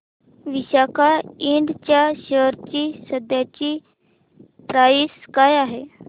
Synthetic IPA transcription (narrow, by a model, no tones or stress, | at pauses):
ʋiɕakaiɳɖt͡ɕjaɕəɾt͡ɕiːsəd̪jat͡ɕiː | pɾaiːskajaɦe